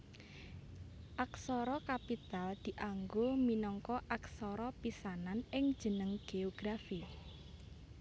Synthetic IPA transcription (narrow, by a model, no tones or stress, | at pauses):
ʔaksɔɾɔkapit̪ald̪̥i̤ʔaŋɡominɔŋkɔʔaksɔɾɔpisananɪŋd̥ʒ̥ə̤nəŋɡ̥eoɡ̥ɾafi